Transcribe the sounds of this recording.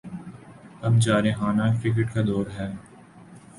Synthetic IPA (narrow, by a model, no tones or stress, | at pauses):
ɐbt͡ʃaːɾeɦaːnakɾɪk̬eʈkad̪ɔːɾɦɛː